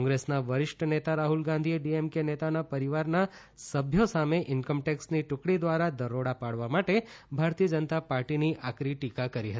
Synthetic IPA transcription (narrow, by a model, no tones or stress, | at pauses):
kɔ̃ŋɡɾesnaʋəɾɪʃʈənet̪aɾaɦulɡãnd̪ʱieɖiemkenet̪anapəɾiʋaɾna | səbʱjosameʔɪnkəmʈɛksniʈʊkɽid̪ʋaɾad̪əɾoɽapaɽʋamaʈebʱaɾt̪iəd͡ʒənət̪apaɾʈiniʔakɾiʈikakəɾiɦət̪